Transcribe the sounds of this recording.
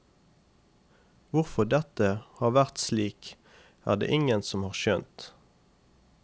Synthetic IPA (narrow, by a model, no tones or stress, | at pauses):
ʋʊʁfɔd̪ɛt̪əhɑːʁʋæʁt̪sliːk | æ̰ːʁd̪ḛːʔɪŋənsɔmhɑːʁʃœnt̪